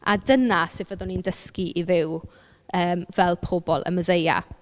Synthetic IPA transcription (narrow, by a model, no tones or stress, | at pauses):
adənasevəðʊnindəskiʔivɪw | əːmvɛlˠpʰobɔlˠʔə̰məzeja̰